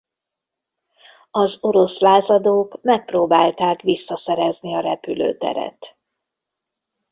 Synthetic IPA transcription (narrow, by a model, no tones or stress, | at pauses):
ɒzo̞ɾo̞slaːzɒd̪oːkmɛk̚proːbaːlt̪aːkʋisːɒsɛɾɛzniɒɾɛpylø̰ːt̪ɛ̰ɾɛ̰t̪